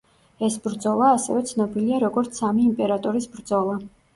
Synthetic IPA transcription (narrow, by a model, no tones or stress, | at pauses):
ɛsbɾd̪zɔlˠaːsɛ̰vɛt̪sʰnɔbiliaɾɔɡɔɾt̪sʰamiːmpʼɛɾat̪ʼɔɾisbɾd̪zɔlˠa